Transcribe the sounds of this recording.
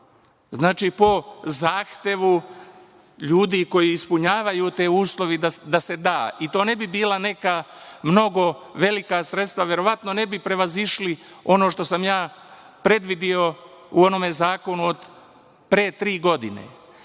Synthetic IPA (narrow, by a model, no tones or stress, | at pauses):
znaːt͡ʃipo̞zaːxt̪e̞ʋu | ʎuːd̪iko̞jiːspuɲaːʋajut̪e̞ːuːslˠo̞ʋiad̪ase̞d̪aːit̪oːne̞bibiːlˠane̞kamno̞ɡo̞ʋe̞likasɾet̪st̪ʋaʋje̞ɾo̞ʋat̪no̞ne̞bipɾe̞ʋaziʃli | o̞no̞ʃt̪o̞samjaː | pɾe̞d̪ʋid̪io̞ | uo̞no̞me̞zaːko̞nuod̪ | pɾet̪ɾiːɡo̞d̪inḛ